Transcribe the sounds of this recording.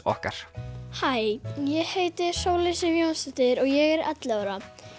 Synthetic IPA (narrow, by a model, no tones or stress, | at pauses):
ɔ̰hkaɾ̥hajjɛheːjt̪ɪ̥soːwlɪsɪvjownst̪ɛt̪ɪɾɔɣjɛɣɛɾɛ̰t̪lɪaɾa